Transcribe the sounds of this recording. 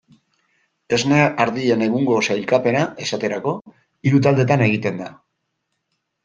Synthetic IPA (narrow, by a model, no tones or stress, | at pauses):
e̞zneaɾðie̞ne̞ɣuŋɡo̞sajlkape̞naʔe̞sat̪e̞ɾako̞ | iɾut̪ald̪e̞t̪ane̞ɣ̞it̪e̞nd̪a